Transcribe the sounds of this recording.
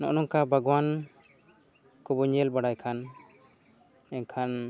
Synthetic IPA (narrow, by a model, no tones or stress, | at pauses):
nɔ̰ʔnɔŋkabʱaɡwan | kɔbɔɲɛlbaɽajkʰan | ɛnkʰan